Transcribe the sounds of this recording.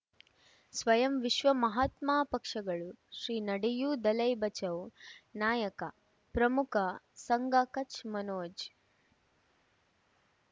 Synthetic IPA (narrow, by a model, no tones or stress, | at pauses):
sʋɐjɐmʋiʃʋɐmɐɦaːt̪maːpɐkʂɐɡɐɭuʃɾiːnɐɽijuːd̪ɐlɐjbɐt͡ʃɐwnaːjɐkɐ | pɾɐmukʰɐsɐŋɡaːkɐt͡ʃmɐnoːd͡ʒ